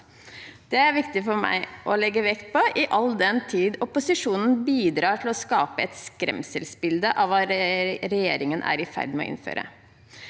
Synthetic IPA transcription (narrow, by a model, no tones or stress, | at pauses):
d̪̥ɛæɾʋɪkt̪ɪfɔɾmæ̰ɪʔɔlɛɡːəʋɛkt̪̚pʰɔʔɪʔɑld̪ɛnt̪ʰiːd̪ɔpʊsɪʂuːnən̩biːd̪ɾɑːʈɪlɔskɑːpəɛt̪skɾɛ̰msəlsbɪld̪əʔɑʋɑɾɾɛjeːɾɪŋənʔæ̰ːɾɪfæ̰ɾd̪mɛɔ̰ʔɪ̰nfø̰ːɾʔə̰